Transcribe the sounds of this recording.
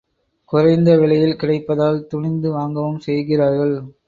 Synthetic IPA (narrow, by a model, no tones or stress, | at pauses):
kʊɾɐɪnd̪ɐʋɪɭɐjɪlkɪɽɐɪpːɐðaːlt̪ʊɳɪnd̪ɯʋaːŋɡɐʋɯmsɛjɣɪraːɾɣɐɭ